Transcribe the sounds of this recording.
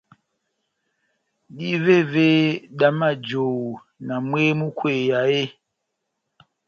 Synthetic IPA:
di˦ve˦˨ve˦ɗa˨ma˦˨d͡ʒo˨ | na˨mwe˦mu˦kwe˨ja˨e˦

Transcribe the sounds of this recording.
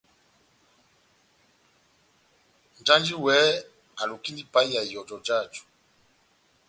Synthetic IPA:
n˨d͡ʒa˦nd͡ʒi˦wɛ˨˦ | a˨lu˨ki˦ni˦pa˨˦i˦ja˨jɔ˨d͡ʒɔ˨d͡ʒa˦˨d͡ʒu̥˨

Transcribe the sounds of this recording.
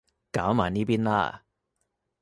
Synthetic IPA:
kaː˨˥wmaː˨˩niː˥piː˥nla̰ː˥˩

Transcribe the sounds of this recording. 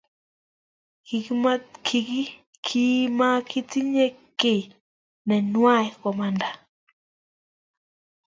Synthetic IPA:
ki˨kma˦kʰi˨ki˦ | kʰi˦ma˦kʰi˦ti˦ɲe˦kɪ˨ | nɛ˨nwa˦˨jkɔ˨ma˨nda˨

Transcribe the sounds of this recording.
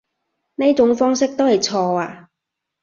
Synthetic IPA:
ne˥jt͡sʊ˨˥ŋfɔː˥ŋsɪ˥k̚t̪o˥whɐ˨˩jt͡sʰɔː˧aː˧

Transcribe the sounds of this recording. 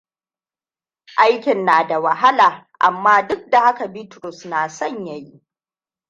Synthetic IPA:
ʔa˦jkʲɪ˨nːaː˨da˨wa˨ɦa˦laː˨ | ʔa̰˨mːaː˦dʊ˦k̚da˨ha˦ka˨biː˦tɾʊ˨snaː˨sɐ˦˨ɲja˨ji˦

